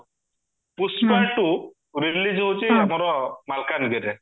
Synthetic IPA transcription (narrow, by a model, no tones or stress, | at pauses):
puspaʈːu | ɾilid͡ʒɦot͡ʃiamɔɾɔmalkaniɡɛdɛ